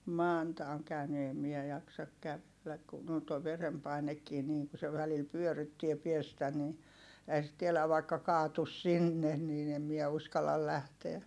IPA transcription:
mɑˑntɑ oŋ kæyny eˑm miɛ jɑksɑk kæʋelːæk kun on toi ʋerempɑinekːiː niːŋ ku se ʋælil pyørytːie piestæ ni ehæ sit tielæʋ ʋɑikːɑ kɑːtus sinːen niːn em miɛ uskɑlːɑl læhteæ

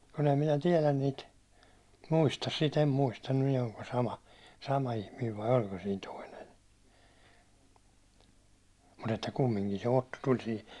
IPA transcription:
kun em minæ tiɛlæn niːt muistɑs sit em muistɑ nin olko sɑmɑ sɑmɑ ihmiːʋ ʋɑi olʲko siːn toinen̞ mut etːæ kumːiŋkin se otːo tulʲ sihi

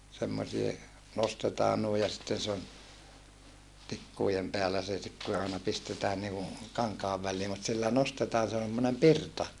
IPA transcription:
semːosie nostetɑː nui jɑ sitːen se on tikːuˑjem peælæ se sit ku se ɑˑenɑ pistetæːn niːku kɑŋkɑːʋ ʋælːiː mut silːæ nostetɑː se on̞ semːonem pirtɑ

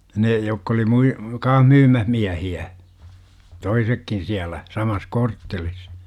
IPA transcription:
ne jokː oli mui kɑːh myːmæh miæhiæ toisekːin siælæ sɑmɑs kortːelis

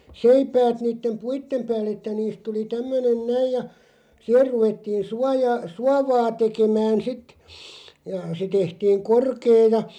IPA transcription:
seipæːt niːtːem puitːem pæːlː etːæ niːst tuli tæmːønen næij jɑ sih̆er ruʋetːiːn̞ suɑjɑː suɑʋɑː tekemæːn sit jɑ se tehtiːŋ korkeː jɑ

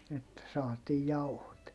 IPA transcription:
etːæ sɑːtiːj jɑuhot

